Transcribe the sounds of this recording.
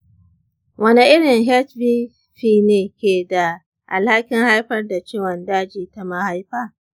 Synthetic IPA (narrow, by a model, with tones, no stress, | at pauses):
wʔɐ˦ni˦ʔɪ˦ɽɪ˨ŋɦɛ˦t͡ʃbiː˦ | ɸiː˦neː˨kʲeː˨da˨ | ʔa̰˨lha˦kʲɪ˦ŋha˦jɸɐ˦rda˨t͡ʃeː˦wɐ˨ndaː˦d͡ʒiː˨ta˦ma˦ha˦jɸaː˦˨